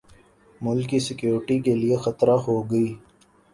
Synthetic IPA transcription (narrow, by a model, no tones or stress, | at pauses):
mʊlkːisɪkjuːɾʈikeliexət̪ɾaɦoɡɐiː